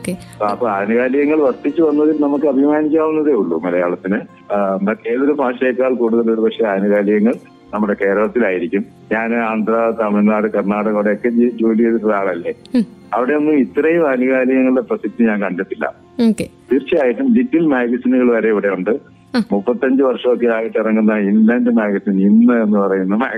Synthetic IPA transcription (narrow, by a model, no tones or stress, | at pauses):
okepːɐpːɐːaːnuɣaːliɣɐŋːɐɭʋɐrt̪ːit͡ɕːɨʋɐnːɐðilnɐmukːɨɐbʱimaːnik̬ʲːaːunːɐðeuɭːṵmɐlɐjaːɭɐt̪ːinɨ | nd̪akeːɐɾubʱaːɕɐjɐkːaːɭkuːɽuðɐlo̞ɾupɐkʂe̞aːnuɣaːliɣɐŋːɐɭ | nɐmːuɽe̞ke̞ːɾɐɭɐt̪ːilaːjiɾikʲːum | ɲaːnaːnd̪rɐt̪ɐmiɭnaːɽɨkɐrnaːɽɐɣɐʋiɽejokːe̞d͡ʑid͡ʑoːlijɐt̪ːiʈːɐðaːɭɐlːeɐʋiɽe̞onːɨit̪ːrɐjumaːnuɣaːliɣɐŋːɐɭɽeprɐsik̚t̪ːiɲaːnkɐɳɖɐt̪ːilːɐ̰ | oket̪iːrt͡ɕːijaːjiʈːumlitːilmaːɡɐsinuɣɐɭʋɐɾe̞iʋiɽe̞uɳɖɨ | mupːɐt̪ːiɐɲd͡ʑɨʋɐrʂɐokːeaːjiʈːirɐŋːunːɐinlɐndɨmaːɡɐsiːninːɨe̞nːɨpɐrɐjunːɐma̰ː